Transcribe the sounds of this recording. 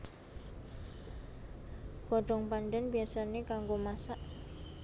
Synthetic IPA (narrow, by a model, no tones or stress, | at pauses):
kɔɖ̥ɔ̤ŋpandənbiasanekaŋɡomasaʔ